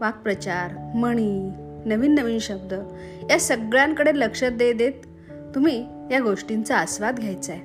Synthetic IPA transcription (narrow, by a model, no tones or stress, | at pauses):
ʋak̚pɾət͡ɕaɾməɽ̃iːnəʋiːnːəʋiːnɕəb̚d̪ə | jasəɡɭjãŋkəɽeləkʂət̪̚d̪ed̪et̪ː | umiː | jaɡoʂʈint͡saəsʋad̪ɡʱjajt͡sa